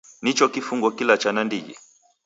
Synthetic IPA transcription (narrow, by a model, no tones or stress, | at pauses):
nit͡ʃɔkifuŋɡɔkilat͡ʃanandiɡɛ̰